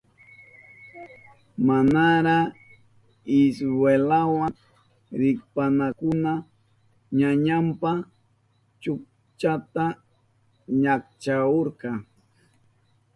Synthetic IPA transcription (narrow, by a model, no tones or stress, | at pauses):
manaɾa | ɪsɾwelawa | ɾɪk̚panakʊna | ɲaɲampa | t͡ʃʊk̚ | t͡ʃat̪a | ɲak̚t͡ʃaoɾqɑ